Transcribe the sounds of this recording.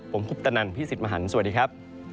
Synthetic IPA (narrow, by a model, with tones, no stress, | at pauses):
pʰo˩˦mpʰu˨˩p̚t̪a˧na˧˩npʰiː˥si˨˩t̪̚maː˧ɦa˩˦nsa˨˩diː˧kʰɾa˦˥p̚